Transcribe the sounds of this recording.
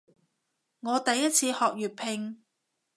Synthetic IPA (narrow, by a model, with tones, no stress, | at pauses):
ŋɔː˨˧t̪ɐ˨jːɐ˥t̚t͡sʰiː˧hɔː˨k̚jyː˨˩t̚pʰɪ˧ŋ